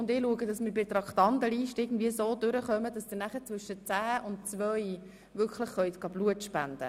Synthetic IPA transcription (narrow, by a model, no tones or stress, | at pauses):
ʊndɪluəɡədɑsmɪɾbɪtɾɑkt̪ɑndəliːʃtɪːɡn̩dviəsoːdʏɾəχœməd̥ɑsd̥̪ɪnæχət͡svʏʃət͡sæːʔʊntt͡sʋœj | vʏɾkχləχχœʏt̪ɡ̥ɑbluətʃpænd̥̪ə̰